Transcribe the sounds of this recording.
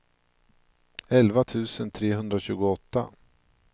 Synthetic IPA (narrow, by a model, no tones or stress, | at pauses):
ɛlvat̪ʰʉ̟ːsənt̪ʰɾeːɦɵnd̪ɾaɕʉ̟ːɡʊɔt̪ːa̰